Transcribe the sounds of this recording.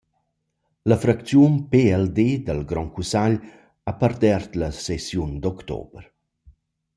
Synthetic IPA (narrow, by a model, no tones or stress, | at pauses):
ləfɾakt͡sjunpeɛld̪ed̪əlɡɾɔŋkusaʎ | apəɾd̪ɛrt̪ləsesjund̪ɔkt̪o̰bɾ